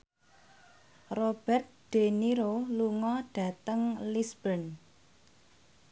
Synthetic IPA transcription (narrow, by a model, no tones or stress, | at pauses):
rob̥ɛrt̪̚ɖ̪̥eniɾoluŋɔɖ̥ä̤t̪əŋlisb̥ən